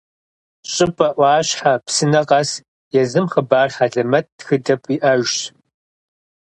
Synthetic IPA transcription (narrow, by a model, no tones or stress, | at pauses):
ɕʼɪpʼɐʔʷɑːɕħapsɨnɐqʼɐs | jɛzɨmχəbaːrħaɮɐmɐt̚txɨdɐpʼiʔɐʒɕ